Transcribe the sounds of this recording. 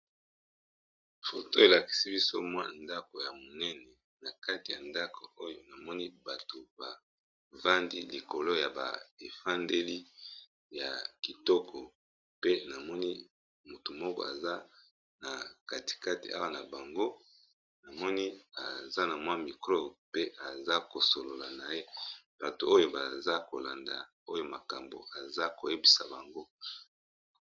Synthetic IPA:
fo˨to˦e˨la˨ki̥˨si˦bi˦so˦mwa˦nda˦ko˨ja˨mo˨nɛ˦nɛ˨ | na˨ka˦ti˨ja˨nda˦kʰo˨o˦jo˦na˨mɔ˦ni˦ba˨to˨ba˨ | va˦ndi˦li˨ko˨lo˦ja˨ba̰˨e˨fa˦ndɛ˦li˦ | ja̰˨ki˨tɔ˦kɔ˨ | pe˦na˨mɔ˦ni˦ | mo˨tu˨mɔ˦kɔ̰˦˨a˨za˦ | na˨ka˨ti̥˨ka˦ti˨a̰˦wa˦˨na˨ba˨ŋɡo˦ | na˨mɔ˦ni˦a̰˨za˦na˨mwa˦mi˨klo˦pe˦ʔa˨za˦ko˨so˨lo˨la˨na˨je˦ | b̥a˨to˨o˦jo˦ba˨za˦ko˨la˨nda̰˨ | o˦jo˦ma˨ka˨mbo̰˨a˨za˦ko˨je˦bi˨sa˨ba˨ŋɡo˦

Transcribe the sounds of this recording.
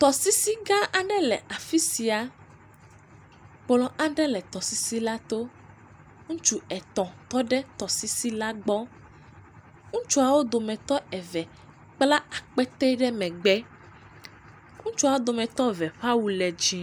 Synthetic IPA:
t̪ɔ˨si˦si˦ɡa˦ʔa˦ɖɛ˦lɛ˨ʔa˨fi˦si˨a˨ | k͡plɔ̃˨ʔa˦ɖɛ˦lɛ˨t̪ɔ˨si˦si˦la˦t̪o˦ | ŋũ˦t͡ʃu˦ɛ˨t̪ɔ̃˨t̪ɔ˦ɖɛ˦t̪ɔ˨si˦si˦la˦ɡ͡bɔ˦ | ŋũ˦t͡ʃu˦a˨wo˦d̪o˨mɛ̃˨t̪ɔ˦ɛ˨vɛ˨ | k͡pla˦a˨k͡pɛ˦t̪ɛ˦ɖɛ˦mɛ̃˨ɡ͡bɛ˦ | ŋũ˦t͡ʃu˦a˨wo˦d̪o˨mɛ̃˨t̪ɔ˦vɛ˨ɸa˦wu˨lɛ˨d͡ʒi˦

